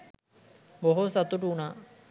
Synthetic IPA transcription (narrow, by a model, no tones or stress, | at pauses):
moɦosat̪uʈunaː